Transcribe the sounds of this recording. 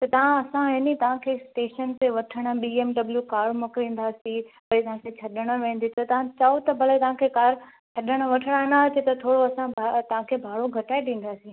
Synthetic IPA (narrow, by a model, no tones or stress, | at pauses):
t̪ɐt̪ɐʋ̤ãɐsãɦɪnit̪ɐʋ̤ãkʰeːsʈeːʃənt̪eʋɐʈʰəɽ̃əɓiːeːmɖɐbljukaːɾmʊkɾĩːn̆d̪aːsĩpɐit̪ɐɦãkʰet͡ɕʰɐɗəɽ̃ə̆ʋẽːn̆d̪it̪ɐt̪ɐʋ̤ãt͡ɕaot̪ɐbʱɐlət̪ɐʋ̤ãkʰekaːɾ | t͡ɕʰɐɗəɽ̃ə̆ʋɐʈʰəɽ̃ənaɐt͡ɕet̪ɐt̪ʰoːɽoɐsãbt̪ɐʋãkʰeːbʱaːɭoɡʱɐʈaːeɗ̪ĩːn̆d̪aːsĩ